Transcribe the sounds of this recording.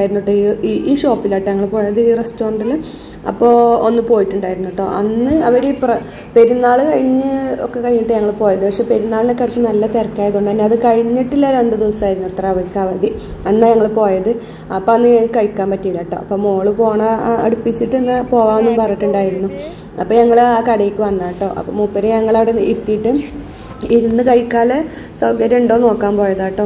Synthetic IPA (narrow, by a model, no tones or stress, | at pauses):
ajiɾunːuʈːoːiiʔiːʂo̞ːpːilɐʈːɐɲɐŋːɐɭpo̞ːjɐðɨiːrestoːrɖilːɐ | ɐ̰pːo̞ːonːɨpo̞ːjiʈːuɳɖaːjiɾunːuʈːoːʔɐnːɨɐʋɐɾiprɐ | pe̞ɾunːaːɭɨkɐɻiɲːɨo̰kːekɐɻiɲːiʈːɨɲɐŋːɐɭpo̞ːjɐðɨpɐkʂe̞ːpe̞ɾunːaːɭinekːɐɻit͡ɕːɨnɐlːɐt̪erkːaːjɐðuɳɖɐnːɐɐðɨkɐɻiɲːiʈːilːɐɾeɳɖɨd̪iʋɐsaːjiɾunːuɭt̪raʋɐɾkːɐʋɐði | ɐnːaɲɐŋːɐɭpo̞ːjɐðɨ | ɐpːoɐnːkɐɻikːaːmpɐtːiilːɐːʈːo̰ːɐpːoːmoːɭɨpo̞ːɳɐɐ̰ɽupːit͡ɕːiʈːɨenːɐpo̞ːʋaːmnːumpɐrɐiʈːuɳɖaːjiɾunːu | ɐpːoːɲɐŋːɐɭakɐɽɐjikʲːɨʋɐnːaːʈːo̞̰ːʔɐ̰pːo̰muːpːeɾeɲɐŋːɐɭaːɽeiɾut̪ːijiʈːɨ | iɾunːɨkɐɻikʲːaːle | sɐwɡɐɾɐuɳɖo̞ːno̞ːkːaːmpo̞ːjɐðaːʈːoː